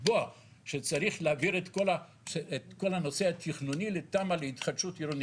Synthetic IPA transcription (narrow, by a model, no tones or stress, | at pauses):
boa | ʃet͡saʁiχleaviʁet̪kola | eet̪ko̞lano̞sehat̪ʰiχnunilet̪amaleit̪χatʃutiɾoni